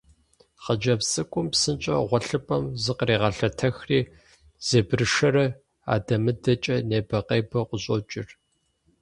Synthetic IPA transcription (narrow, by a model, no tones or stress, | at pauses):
χɐd͡ʒɐpsʼɨkʷʼʊmpsɨnt͡ʃʼɐ̰ʁʷɔɬɨpʼɐmzɨqriːʁɐɬɐtʰɐxriː | z̥eːbrɨʂɐɾɐ | a̰ːdɐmɨdɐt͡ʃʼɐneːbɐqejbɐqʷʊɕʼo̰t͡ʃʼɪr